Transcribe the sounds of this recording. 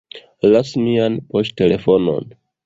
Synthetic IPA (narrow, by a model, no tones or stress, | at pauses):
lasmianpo̞ste̞le̞fo̞no̞̰n